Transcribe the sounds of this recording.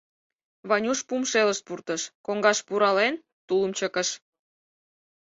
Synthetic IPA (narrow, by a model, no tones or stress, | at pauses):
βɑnʲuʃpumʃeləʃt̪̚purt̪əʃkoŋɡɑʃpuɾɑlen | t̪uləmt͡ɕəkəʃ